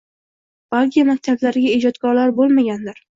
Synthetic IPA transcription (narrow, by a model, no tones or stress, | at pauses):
b̥alˠkʲʰijamak̚ʲt̪ʰablaɾɡʲaed͡ʒɒt̪kʰɒɾlaɾbolˠmaɡʲanlaɾ